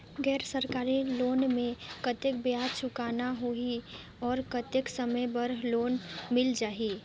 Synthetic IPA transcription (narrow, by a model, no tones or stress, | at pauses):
ɡɛːɾsəɾkaːɾiloːnmẽkət̪ek̚bjaːdt͡ʃʰʊkaːnaɦoi | ɔːɾkət̪eksəməjbɐɾloːnmɪld͡ʒaːi